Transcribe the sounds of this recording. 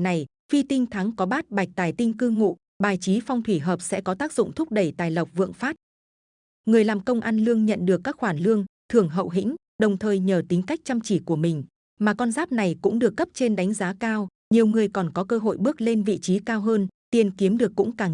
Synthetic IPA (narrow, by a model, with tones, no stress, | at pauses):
na˨˩j | fi˧t̪i˧ŋ̟t̪ʰa˨˦ŋkɔ˨˦ɓaː˦˥t̚ɓa˨˩jk̚t̪aː˨˩jt̪ï˧ŋ̟kɨ˧ŋṵ˧˨ | ɓaː˨˩jt͡ɕi˨˦fa˧wŋ͡mt̪ʰwi˧˩ɦəː˨˩p̚sɛ̰˧˥kɔ˨˦t̪aː˦˥k̚zʊ̰˧˨ŋ͡mt̪ʰʊ˦˥k͡p̚ɗə˧˩jt̪aː˨˩jlə˨˩wk͡p̚vɨ̰˧˨əŋfaː˦˥t̚ | ŋɨ˨˩əjlaː˨˩mkə˧wŋ͡mʔa˧nlɨ˧əŋɲə̰˧˨nɗɨ˨˩əkːaː˦˥k̚xwaː˧˩nlɨ˧əŋt̪ʰɨ˨˧˩əŋɦə̰˧˨wɦḭ˧˥ŋ̟ | ɗə˨˩wŋ͡mt̪ʰəː˨˩jɲəː˨˩t̪ï˨˦ŋ̟ka˦˥jk̚t͡ɕa˧mt͡ɕi˧˩ku˧˩əmï˨˩ŋ̟ | maː˨˩kɔ˧nzaː˦˥p̚na˨˩jkʊ̰˧˥ŋ͡mɗɨ˨˩əkːə˦˥p̚t͡ɕe˧nɗa˨˦jŋ̟zaː˨˦kaː˧w | ɲi˨˩əwŋɨ˨˩əjkɔ˨˩nkɔ˨˦kəː˧ɦo̰˧˨jɓɨ˦˥ək̚le˧nvḭ˧˨t͡ɕi˨˦kaː˧wɦəː˧nt̪i˨˩ənki˨˦əmɗɨ˨˩ək̚ːʊ̰˧˥ŋ͡mkaː˧˩